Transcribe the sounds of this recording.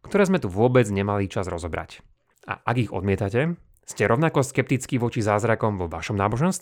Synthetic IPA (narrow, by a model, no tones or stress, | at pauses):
kt̪ɔɾɛːzmɛt̪uʋʊɔbɛd͡zɲɛmalit͡ʃazɾɔzɔbɾa̰c | a̰ʔaɡiɣɔ̰d̪mɪɛt̪acɛ | scɛɾɔʊnakɔskɛp̚t̪it͡skiʋɔt͡ʃizaːzɾakɔmʋɔʋaʃɔmnaːbɔʒɛnst̪